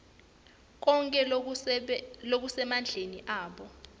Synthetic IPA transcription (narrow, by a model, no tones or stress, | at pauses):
k̬ʼɔŋkʼɛ | lok̬usɛmand͡ɮʱeniʔaːɓɔ